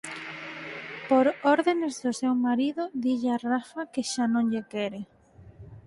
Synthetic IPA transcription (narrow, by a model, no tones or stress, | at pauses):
poɾoɾðenezðʊsewmaɾiðʊðiʎarafakeʃanõŋʎekɛɾɪ